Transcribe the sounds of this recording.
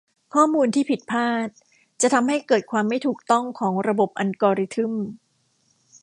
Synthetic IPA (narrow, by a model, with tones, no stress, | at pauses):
kʰɔː˥˩muː˧nt̪ʰiː˥˩pʰi˨˩t̪̚pʰaː˥˩t̪̚ | t͡ɕa˨˩t̪ʰa˧mha˥˩jkɤː˨˩t̪̚kʰwaː˧mːa˥˩jt̪ʰuː˨˩k̚t̪ɔ˥˩ŋkʰɔː˩˦ŋɾa˧bo˨˩p̚ʔa˧nkɔː˧ɾi˧˥t̪ʰɯ˥˩m